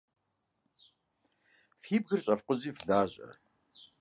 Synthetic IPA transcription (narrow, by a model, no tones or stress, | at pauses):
fiːb̚ɣɨrɕʼɐfqʷʊziːfɮaːʑʼɐ̰